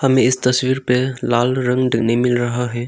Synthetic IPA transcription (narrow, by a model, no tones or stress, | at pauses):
hɐmeɪst̪ɐswiɾpelalɾəŋɖiknimilɾɐɦaɦɛ